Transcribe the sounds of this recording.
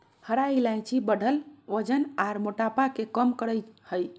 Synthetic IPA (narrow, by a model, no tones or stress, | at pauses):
həɾailaj̃t͡ʃʰibəɽʱəlʋəd͡ʒənaɾmoʈapakekəmkəɾəjhəj